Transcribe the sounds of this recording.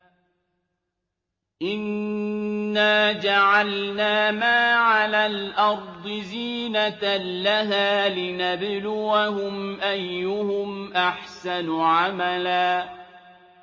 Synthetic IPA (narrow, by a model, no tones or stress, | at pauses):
ʔɪnː | aːd͡ʒaʕalnaːmaːʕalaːlʔɑɾˤd̪ˤɨziːnatlaɦaːlɪnablʊwahʊmʔajːʊhʊmʔaħsanʕamalaː